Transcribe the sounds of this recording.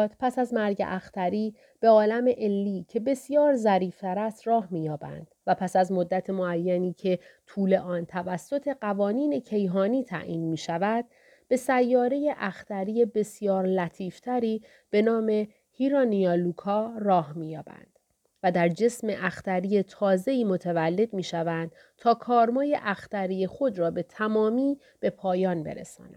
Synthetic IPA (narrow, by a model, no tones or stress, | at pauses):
t̪ʰpʰæsæzmæɾɟḛʔæxt̪ʰæɾiː | b̥e̞ɒːlæmeʔelːiːcʰe̞be̞sjɒːɾzæɾiːft̪ʰæɾæst̪ɾɒːhmiːjɒːbæ̰nd̪̥væpʰæsæzmo̞d̪ːæt̪ʰemoæjːæniːcʰe̞t̪ʰuːle̞ʔɒːnt̪ʰævæsːo̞t̪ʰe̞ɢævɒːniːne̞cʰe̞jɦɒːniːt̪ʰæ̰ʔḭːnmiːʃævæd̪̥ | b̥e̞sæjːɒːɾeje̞ʔæxt̪ʰæɾiːe̞be̞sjɒːɾlæt̪ʰiːft̪ʰæɾiː | b̥e̞nɒːme̞ | hiɾɒnijɒlukʰɒːrɒːhmiːjɒːb̥æ̰nd̪̥ | væd̪æɾd͡ʒe̞sme̞ʔæxt̪æɾijet̪ʰɒːze̞iːmo̞t̪ʰevælːe̞d̪̥miːʃævænd̪̥ | t̪ʰɒːkʰɒːɾmɒːje̞ʔæxt̪æɾije̞xo̞d̪ɾɒːbe̞t̪ʰæmɒːmiː | b̥e̞pʰɒːjɒːnbe̞̰ɾḛsɒ̰ːnæ̰d̥̪